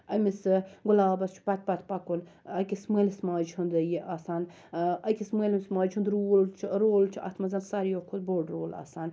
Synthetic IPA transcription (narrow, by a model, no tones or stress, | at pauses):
ɐmisɡʊlaːbɐst͡ʃʰu̥pɐt̪̚ʰpɐt̪ʰpɐkun | ɐkisməːlismaːd͡ʒhund̪ɐjiʔaːsaːn | ɐkʲisməːlmʲismaːd͡ʒʰhund̪ɾuːlt͡ʃʰɾoːlt͡ʃʰɐ̰t̪ʰmɐzɐnsɐɾjokʰot̪̚boːɖɾoːla̰ːsaːn